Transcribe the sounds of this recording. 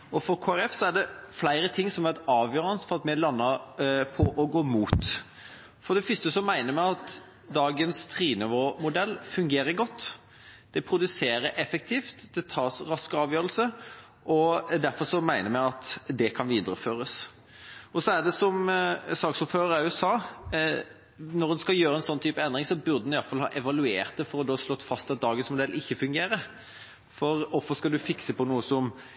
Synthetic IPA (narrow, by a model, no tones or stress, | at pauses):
ɔfɔɾkʰoːæɾɛfsɔæɖɛflæɪɾət̪ʰɪŋːsɔmæt̪ɑːʋjøːɾənəsfɔʁɑt̪mɛlɑnːəpʰɔʔɔɡoːmuːt̪ | fɔɖ̪ɛfʏst̪əsɔmæɪnəɾmæɪɑt̪ | d̪ɑːɡənst̪ʰɾiːnɪʋomʊd̪ɛlːfʉŋɡeːɾəɾɡɔt̪ː | d̪̥ɛpʰɾʊd̪ʉseːɾəɾʔɛfɛk̚t̪ʰiːft̪d̪ɛt̪ʰɑːsɾɑskəɑːʋjøːɾəlsə | ʔɔd̪æɾfɔɾsɔmæɪnəɾmɛɑt̪d̪ɛkʰɑnʋiːd̪əɾəføːɾəs | ɔsɔæd̪ɛsɔmsɑːksɔpføːɾəɾɑʉʉʉsɑː | nɔɾd̪ɛnskɑljøːɾəɛnsɔnːt̪ʰyːpəɛnd̪ʁɪŋsɔbʉɾd̪əd̪nɪɑlfɑlhɑ̰ːʔɛʋɑlʉeːʁt̪̚əfɔɾɔd̪oːslɔt̪ːfɑst̪ɑt̪̚d̪ɑːɡənsmʊd̪ɛlːʔɪçːəfʉŋɡeːɾə | fɔɾɔfɔskɑld̪ʉfɪksəpɔnuːəsɔm